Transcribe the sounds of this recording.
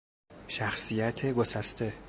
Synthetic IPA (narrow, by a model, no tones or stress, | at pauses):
ʃæxsijæt̪ʰeɡosæst̪ʰe